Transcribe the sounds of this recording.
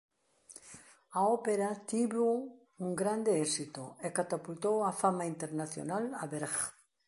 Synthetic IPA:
aopeɾat̪iβo | uŋɡɾand̪eɛsit̪oekat̪apult̪owafamaint̪eɾnaθjo̰nalaβeɾɣ

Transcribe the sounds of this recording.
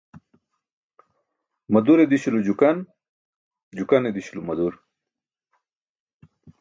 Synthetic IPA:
mɐd̪uɾed̪iɕulud͡ʑukɐn | d͡ʑukɐned̪iɕulumɐd̪uɾ

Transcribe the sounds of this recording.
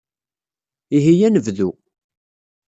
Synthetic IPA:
iɦijænəvðu

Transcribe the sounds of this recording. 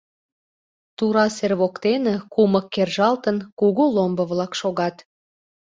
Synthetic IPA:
t̪uɾɑserβokt̪enekuməkːerʒɑlt̪ənkuɣulombəβlɑkʃoɣɑt̪

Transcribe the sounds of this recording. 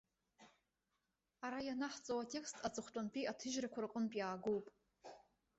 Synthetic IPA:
aɾajanaħt͡sʼowatʰʲʼe̞kstʰʼat͡sʼɨχʷtʼanpʰʼiʔatʰɨʒrakʷʰarɨqʼənpʼjaːɡowpʼ

